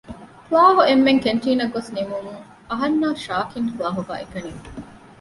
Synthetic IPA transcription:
kulaːɦuemːeŋkeɳʈiːnɐɡosnimumuŋ | ɐɦɐnːaːʃaːkiŋkulaːɦuɡa̰ːʔekɐniː

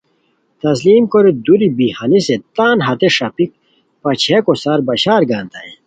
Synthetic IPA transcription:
t̪ɐs̬liːmkoɾid̪uɾibihɐniset̪aːnɦɐt̪eʂɐpik̚ | pɐt͡ɕʰekosaːɾbɐɕaːɾɡaːnt̪ae

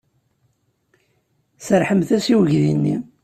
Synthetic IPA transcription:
səɾħəmθæsiwəʝðinːḭ

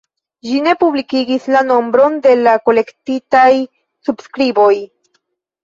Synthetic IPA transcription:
ʃine̞publikiɡislano̞mbɾo̞nd̪e̞lako̞le̞ktitaj | subskɾibo̞j

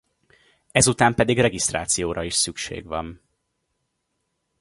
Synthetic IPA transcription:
ɛzut̪aːmpɛd̪iɡrɛɡist̪ra̰ːt̪sijoːɾɒiʃsykʃḛːɡʋɒn

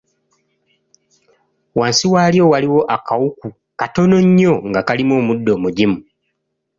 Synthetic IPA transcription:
waːnsiwaːljo̞waliwo̞ʔakawuku | kato̞no̞ɲːo̞ŋɡakalimo̞ːmudːo̞ːmuɟimu

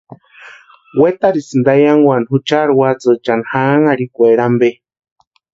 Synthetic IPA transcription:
wet̪aɾisɨnd̪ajaŋwʷanhut͡ʃaɾwat͡sɨt͡ʃanhaŋaɾikʷeɾambe

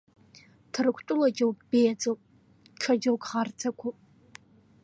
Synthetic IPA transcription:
tʰɨrɨkʷʰtʷʼʊlɐd͡ʒɐwb̥eːjt͡sʼowpʼ | t͡ʃʰɐd͡ʒɐwɡʼʁart͡sʰɐkʷʰupʼ

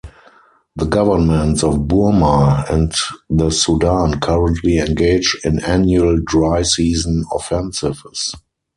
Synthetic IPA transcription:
ðəɡavə˞mɛ̃ntsɔfbumaɛ̃ntðəsudãnkʰaɹə̃ntʰliɛ̃nɡeɪd͡ʒɪ̃nænjuəldɹaɪsiːzə̃nɔfɛ̃nsɪvəs

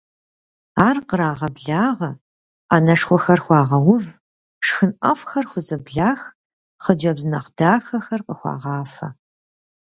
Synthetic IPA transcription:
aːrqəɾaːʁɐbɮaːʁɐ | aːnɐʂxʷɔxɐrxʷɑːʁɐwʊv | ʂxɨnʔɐ̰fxɐrxʷʊzɐbɮaːx | χəd͡ʒɐbzɨnɐqd̥aːxɐxɐrqəxʷɑ̰ːʁɑːfɐ̰

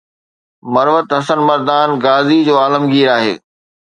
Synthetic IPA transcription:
mɐɾʋət̪ɦɐsənmɐɾd̪aːnɡaːzid͡ʑoːaːləmɡiːɾaːɦḛː

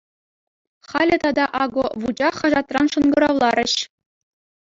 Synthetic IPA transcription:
χɑlʲɘ̆t̪ɑd̪ɑʔɑɡoʋud͡ʑɑχɑʐɑt̪rɑnʂɤ̆nɡɤ̆ɾɑʋlˠɑɾʲɘ̆ɕ

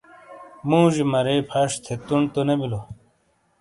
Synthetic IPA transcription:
mũːʑimɐɾeːpʰɐʂt̪ʰet̪uɳt̪onebilo

